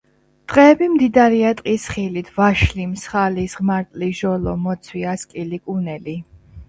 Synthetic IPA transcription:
d̪̥ʼqʼɛːbimd̪id̪aɾiat̪ʼqʼisχilit̪ʰvaʃlimsχalisʁmaɾt̪ʼliʒɔlɔmɔt̪sʰwiaskʼilikʼunɛli

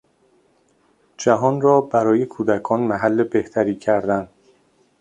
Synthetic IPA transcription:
d͡ʒæɦɒːnrɒːbæɾɒːje̞kʰuːd̪ækʰɒːnmæɦælːebe̞ht̪ʰæɾiːcʰæɾd̪ænd̪

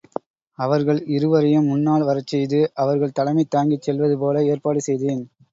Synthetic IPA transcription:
ɐʋɐɾɣɐɭɪɾɯʋɐɾɐjɯmːʊnːaːɭʋɐɾɐt͡ʃːɛjðɯʔɐʋɐɾɣɐɭt̪ɐlɐmɐɪt̪ːaːŋɡɪt͡ʃːɛlʋɐðɯp̬oːlɐeːɾpaːɽɯsɛjðeːn

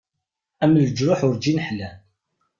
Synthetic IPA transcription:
æmld͡ʒɾʊħʊɾd͡ʒinħlæ

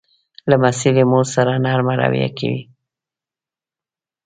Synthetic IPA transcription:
lamasilemoɾsaɾanɑɾmaɾa̰wija̰kʰa̰wḭ

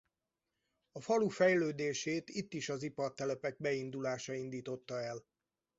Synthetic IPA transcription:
ɒfɒlufɛjløːd̪eːʃeːt̪it̪ːiʃɒzipɒrt̪ɛlɛpɛɡ̚bɛind̪ulaːʃɒind̪iːt̪o̞t̪ːɒɛl

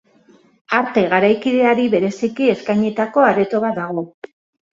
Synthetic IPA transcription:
aɾt̪eɣaɾajkið̞e̞aɾiβe̞ɾe̞sikie̞skajɲet̪ako̞aret̪o̞βad̪aɣ̞o̞

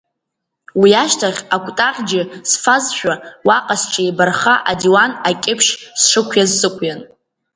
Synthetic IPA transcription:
wiaʃtʰaχʲakʷʼtʼaχʲd͡ʒɪsfazʃᶣawaqʼasʈ͡ʂʰʼaibarχaʔadiwanakʲʼɪpʰʂsʂɨkʷʰjazsɨkʷʼjan

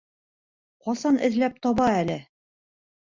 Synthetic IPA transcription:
qɒsɑnʔɘ̆ðlæp̚t̪ɒβɑælɘ

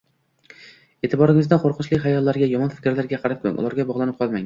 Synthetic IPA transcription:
e̞t̪ʰɪbɒɾɪŋɪzd̪aqʰoɾqʰɨnt͡ʃlɪkʲɦajɒlːaɾɡʲajɒmɒnfɪ̥kʲɾlaɾɡʲaqʰɑɾap̚kʰʲɵ̰ŋʔʊ̰lˠaɾɡʲabɒʁlˠanɪp̚qʰɒlˠmaŋ

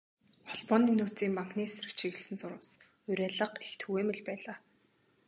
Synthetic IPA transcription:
χɔɮpɔːniːnuːt͡siːmpaŋkniːsrɘ̆kt͡ɕʰiɣɘ̆sɘ̆nsʊɾə̆ws | ʊɾʲæːɮə̆qext̪ʰxuɣeːmɘ̆ɮpæːɮaː

